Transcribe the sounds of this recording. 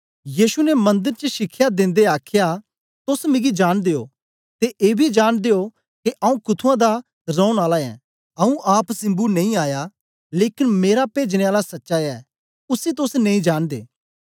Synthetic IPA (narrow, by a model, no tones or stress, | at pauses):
jiːʃunɛmɐ̃nd̪əɾt͡ʃəʃɪkʰːjad̪ɪ̃nd̪eaːkʰja | t̪ʊsmɪ̃ɡid͡ʒaːɽ̃d̪eo̰ː | t̪eʔeːbʱid͡ʒaːɽ̃d̪eo | keʔɐːũkʊt̪ʰuãd̪a | ɾɔ̃ːʊɽ̃aːlaɛ̰ | ɐũʔaːpsɪ̃mbunẽĩaːja | leːkɪnmeːɾapeːd͡ʒɽ̃ẽaːlasɐtːʃaɛː | ʊsit̪̬ʊsnẽĩd͡ʒaːɽ̃d̪ḛː